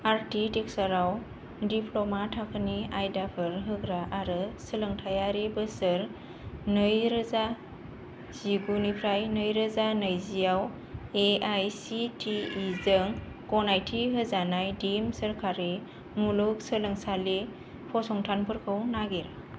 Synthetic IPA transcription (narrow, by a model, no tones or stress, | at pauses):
aɾtitiksaɾaw | dipʰlɔmatʰakʰɯniajdapʰɯɾɦɯɡɾaʔaɾɯsələŋtʰajaɾibɯsɯɾ | nɯjɾəza | z̥iɡunipʰɾajnɯjɾəzanəjzijaw | eajsitʰiːzɯŋ | kɔnajtʰiɦɯzanajdimsəɾkʰaɾi | muluk̚sələŋsali | pʰɔsɔŋtʰanpʰɯɾkʰɯwnaɡiɾ